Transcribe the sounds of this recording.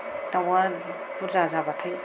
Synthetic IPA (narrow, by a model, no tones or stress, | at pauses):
tawa | puɾzazabatʰaj